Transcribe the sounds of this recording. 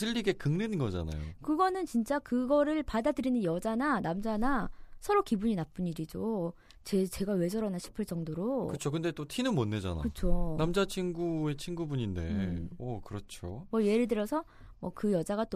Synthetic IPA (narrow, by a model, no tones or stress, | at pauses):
sʰɯʎːiɡe̞kɯŋnenɯnɡʌd͡ʑa̰na̰jo̰kɯɡʌnɯnt͡ɕint͡ɕ͈akɯɡʌɾɯɭpadadɯɾinɯnjʌd͡ʑananamd͡ʑanasʰʌɾokibuɲinap͈ɯniɾid͡ʑo | t͡ɕet͡ɕe̞ɡawe̞d͡ʑʌɾanaɕʰi̥pʰɯɭt͡ɕ͈ʌŋdoɾokɯt͡ɕʰokɯnde̞t͈otʰinɯnmonːed͡ʑa̰na̰kɯt͡ɕʰonamd͡ʑat͡ɕʰinɡue̞t͡ɕʰinɡubuɲinde̞̰ʌkɯɾʌt͡ɕʰomwʌje̞ɾɯɭdɯɾjʌsʰʌ | mwʌkɯjʌd͡ʑaɡat͈o